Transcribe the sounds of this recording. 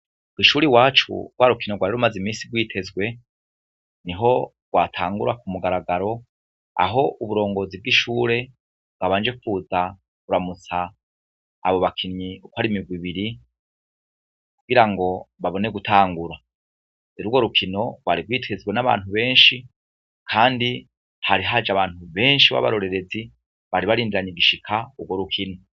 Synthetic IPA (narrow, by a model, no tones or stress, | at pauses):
wiʃuːɾiwaːt͡ʃṵɡwaɾukinoɡwaɾeɾumazimiːsiɡwiːtʰe̞zɡwe̞ | niɦo̞ | ɡwaːtʰaːŋɡuɾakumuɡaɾaɡaɾo̞ | a̰ɦo̞ʔuβuɾo̞ːŋɡo̞ːzib̚ɡiʃuːɾe̞ | bɡwaβaːnd͡ʒe̞kfuːza | kuɾamut͡sa̰ː | βo̞βakʰinɲiukwaɾimiɡwiβiɾi | kuɡiɾaŋɡo̞βaβo̞neɡutʰaːŋɡuɾa | eɾuɡo̞ɾukʰino̞waɾiɡwiːtweziɡwenaβa̰ːnhuβe̞ːnʃi | kʰaːndi | haɾiɦad͡ʒaβaːn̥huβe̞ːnʃiβa̰βa̰ɾo̞ɾe̞ɾe̞zi | βaɾiβaɾiːndiɾaɲeɡiʃikʰauɡwo̞ɾukʰino